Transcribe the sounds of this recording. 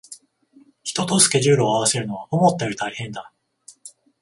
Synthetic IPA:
çi̥t̪o̞t̪o̞sɨ̥kʲe̞ʑɨːɾɯoaβ̞ase̞ɾɯ̟no̞β̞akomot̪ːeɾɯt̪aihẽ̞nd̪a

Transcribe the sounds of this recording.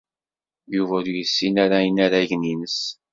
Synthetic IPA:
juvæɾjəsːinaɾainaɾaʝninəs

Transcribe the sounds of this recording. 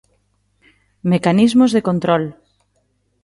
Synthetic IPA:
mekanizmozðekont̪ɾɔl

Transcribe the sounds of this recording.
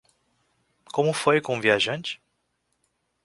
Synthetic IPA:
kõmʊfojkõũviaʒɐ̃nt͡ʃɪ̥

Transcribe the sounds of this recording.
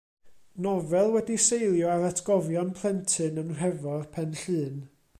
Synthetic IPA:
nɔvɛlˠwɛdisejlˠjɔaɾatʰɡ̥ɔvjɔnpʰlˠɛntʰɨnənr̥ɛvɔrpʰɛnɬɨːn

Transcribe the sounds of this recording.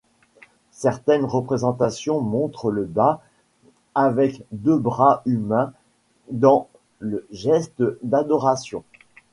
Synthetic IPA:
sɛʁt̪ɛnʁəpχezɑ̃t̪asjɔ̃mɔ̃t̪χələba | avɛkd̪øbʁaymɛ̃ | d̪ɑ̃ | ləʒɛst̪d̪ad̪ɔʁasjɔ̰̃

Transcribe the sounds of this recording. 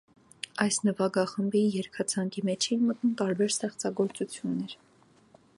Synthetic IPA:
ɑjsnəvɑɡɑχəmbijɛɾkʰɑt͡sʰɑŋkimɛt͡ʃʰɛnmət̪numt̪ɑɾbɛɾst̪ɛχt͡sɑɡɔɾt͡sut͡sʰjunːɛɾ

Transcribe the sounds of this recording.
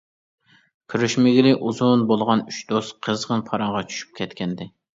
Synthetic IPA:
kʲʰyɾyʃmɪɡʲilɪʔuzunbolˠʁɑnyt͡ʃd̪osqʰəzʁənpʰɑɾɑɴʁɑt͡ʃʰy̥ʃy̥p̚kʲʰɛt̪kʲɛnd̪ɪ

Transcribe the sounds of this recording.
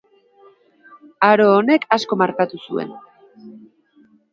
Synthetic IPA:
aɾo̞ːne̞kʰasko̞maɾkat̪usue̞̰n

